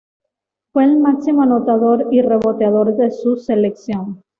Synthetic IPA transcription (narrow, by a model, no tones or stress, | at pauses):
fweːlmaksimoanot̪aðoɾire̞βot̪eaðo̞ɾðe̞suseleksjoŋ